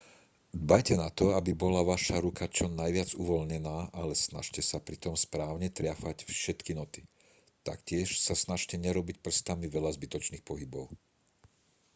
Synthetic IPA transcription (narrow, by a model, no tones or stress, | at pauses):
d̪bajcɛnat̪ɔabibɔlaʋaʃaɾukat͡ʃɔnajʋɪad͡zuʋɔlɲɛnaːʔalɛsna̰ʃcɛsapɾit̪ɔmspɾaːʊɲɛt̪ɾɪafacfʃɛt̪kinɔt̪i | t̪a̰kcɪɛʃsasnaʃcɛɲɛɾɔbic̚pr̩st̪amiʋɛʎazbit̪ɔt͡ʃniːxpɔɦibɔʊ